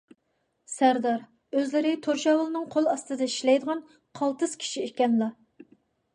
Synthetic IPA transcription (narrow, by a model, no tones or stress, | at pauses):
sæɾd̪ɑɾ | øzlɪɾɪt̪ʰoɾʃɑːwɨlˠɨnɨŋqʰolˠɑst̪ɨd̪ɑiʃlɛjd̪əʁɑn | qʰɑlˠt̪ɨz̥kʲʰi̥ʃiekʲɛnlˠɑ